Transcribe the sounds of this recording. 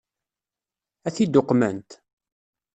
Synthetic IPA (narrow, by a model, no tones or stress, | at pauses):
æθid̪ʊqːmənt̪